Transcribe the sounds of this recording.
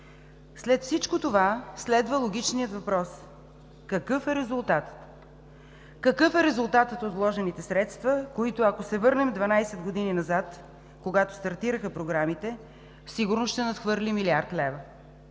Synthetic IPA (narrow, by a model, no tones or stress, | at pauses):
slɛt̪fsit͡ʃkot̪ovaslɛd̪vəlˠoɡʲit͡ʃnijət̪vɐpɾɔs | kɐkɤfɛɾɛzulˠt̪at̪ə̥t̪ | kɐkɤfɛɾɛzulˠt̪at̪ət̪ot̪vlˠɔʒɛnit̪ɛsɾɛt̪st̪vəkoit̪ʊɐkosɛvɤɾnɛmd̪vɐnajsɛd̪ɡod̪ininɐzat̪ | koɡat̪o̥st̪ɐɾt̪iɾəxəpɾoɡɾamit̪ɛ | fsiɡʊɾnosʃt̪ɛnɐt̪xvɤɾlimiliaɾt̪lɛvə